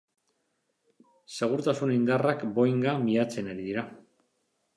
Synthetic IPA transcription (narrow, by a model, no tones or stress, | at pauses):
se̞ɣ̞uɾt̪asunind̪arakbo̞jŋɡamiat͡se̞naɾiðiɾa